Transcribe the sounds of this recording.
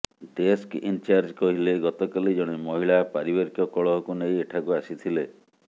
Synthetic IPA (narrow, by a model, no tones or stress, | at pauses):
ɖeskḭnt͡ʃaɾd͡ʒkɔɦileɡɔt̪ɔkalid͡ʒɔɽ̃imɔɦiɭapaɾibɔɾkjɔkɔɭɔɦɔkunejeʈʰakuasit̪ʰile